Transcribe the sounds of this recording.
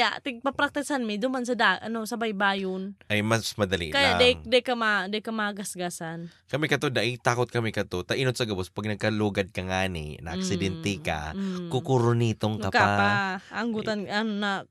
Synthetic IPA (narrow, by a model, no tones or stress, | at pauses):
aʔt̪ɪɡ̚pɐpɾak̚t̪ɪsanmɪd̪umansɐd̪aʔanosɐbajbaːjʊnʔajmɐsmɐd̪ɐlḭʔkajad̪aŋd̪akamad̪akamaɡasɡasankɐmɛkɐt̪od̪aʔɪt̪aːkot̪̚kɐmɛkɐt̪ot̪ɐʔinot̪sɐɡɐbospɐɡ̚nɐɡ̚kɐluːɡɐd̪̚kɐŋaːnɪ̰nɐ̰a̰ksɪd̪ɛnt̪ɛka̰kukuɾonit̪oŋkaaaaaŋɡut̪ananna